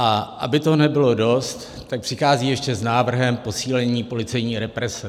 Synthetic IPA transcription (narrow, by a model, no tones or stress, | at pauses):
ʔaʔa̰bɪt̪onɛbɪlo̞do̞st̪ːak̚pr̥ɪxaːziːjɛʃcɛznaːvr̩ɦɛmpo̞siːlɛɲiːpo̞lɪt͡sɛjɲiːɾɛpɾɛsɛ